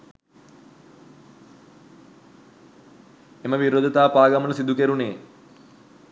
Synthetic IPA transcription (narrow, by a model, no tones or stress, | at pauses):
eməʋiɾod̪ɐt̪aːpaːɡɐmɐnsid̪ukeɾuneː